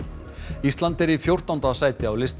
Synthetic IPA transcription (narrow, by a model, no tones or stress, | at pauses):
ist̪lant̪ɛɾifjowr̥t̪awnt̪asaːjt̪ɪawlɪst̪